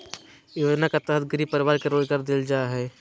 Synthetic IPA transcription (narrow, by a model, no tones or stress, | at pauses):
joːd͡ʒnakat̪əɦət̪ɡɾipəɾɪʋaːɾkeɾoːlɡəɾd̪ɪld͡ʒaːɦɛː